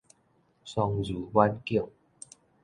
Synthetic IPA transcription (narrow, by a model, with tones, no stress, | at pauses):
sɔ˧ŋzu˨˦wa˦nki˥˩˨ŋ